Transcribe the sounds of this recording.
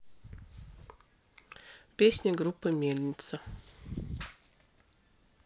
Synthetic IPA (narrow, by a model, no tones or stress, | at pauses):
pʲesʲnʲɪɡɾupːɨmʲelʲnʲɪt̪sə